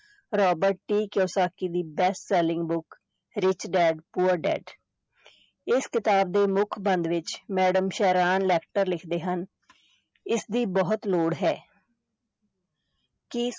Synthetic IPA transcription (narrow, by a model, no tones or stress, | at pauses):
ɾɔːbəɾʈːiːkjoːsaːkiːd̪iːbɛsʈsɛːlɪ̃ŋɡbʊk | ɾɪt͡ʃɖɛːɖpuːəɾɖɛ̰ːɖ | ɪskɪt̪aːb̚d̪eːmʊkʰbənd̪ʋɪt͡ʃmɛːɖəmʃɛːɾaːnlɛːkʈəɾlɪkʰd̪eːɦən | ɪsd̪iːbɔːət̪loːɽɦɛː | kɪ